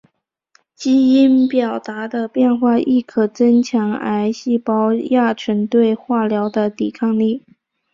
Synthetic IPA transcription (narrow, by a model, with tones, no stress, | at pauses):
t͡ɕi˥i˥npjɑ˨˩ʊt̪a˧˥d̪ə˧pjɛ˥˧nxwa˥˧ʔi˥˩kʰɤ˨˩t͡sə˥ŋt͡ɕʰjɑ˧˥ŋa̰˧˥ɪɕi˥˩pɑ˥ʊja˥˩ʈ͡ʂʰə˧˥nt̪we˥˧ɪxwa˥˩ljɑ˧˥ʊd̪ə˧t̪i˨˩kʰɑ˥˧ŋli˥˩